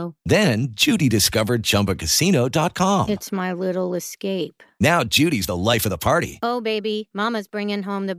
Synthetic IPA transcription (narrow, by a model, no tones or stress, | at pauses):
ðɨ̃nd͡ʒʉɾidɨskʌvə˞d̚d͡ʒʌ̃mpɨkʰɨsinoʊdɑt̚kʰɑ̃mɨtsmaɪlɪɾl̩ˠəskeɪpnaʊd͡ʒʉɾizðəlaɪfʌvðəpʰɑɹɾḭoʊbeɪbimɑməzbɹɪ̃ŋɪ̃ŋɦõʊ̃mðɨ